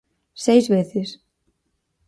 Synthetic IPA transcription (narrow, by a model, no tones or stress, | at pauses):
sejzβeθɪs